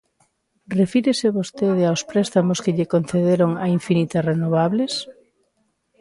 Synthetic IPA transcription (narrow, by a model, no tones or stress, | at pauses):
refiɾeseβost̪eð̞eawspɾɛst̪amoskeʎekonθeðeɾoŋaiɱfinit̪asrenoβ̞aβles